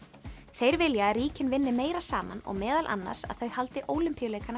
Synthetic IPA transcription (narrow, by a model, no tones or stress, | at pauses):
θejɾvɪljariːcɪnvɪnːɪmeːjɾasaːma̰nɔ̰ɣmɛːðalʔa̰nːa̰ɾ̥sa̰ðθœɥhalt̪ɪʔoːwlɪmpijleːjkana